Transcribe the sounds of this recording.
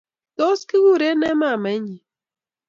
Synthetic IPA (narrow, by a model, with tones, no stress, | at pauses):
t̪ɔ˦ski˦wu˦˨ɾe˦nɛ˦ma˦˨mɛ˨˦ɲi˨